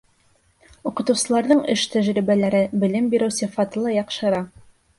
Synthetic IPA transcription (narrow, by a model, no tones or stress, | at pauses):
uqɤ̆t̪ɤ̆wsɤ̆lˠɑɾðɤɴɘʃt̪æʒɾiβælæɾɘbɘ̆lɘmbiɾɘ̆wsɘfɑt̪ɤ̆lˠɑjɑqʃɤ̆ɾɑ